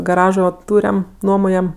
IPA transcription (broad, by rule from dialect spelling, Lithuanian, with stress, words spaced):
ɡɐˈrɑːʒoː ˈtuːrʲɛm ˈnuɔmoːjɛm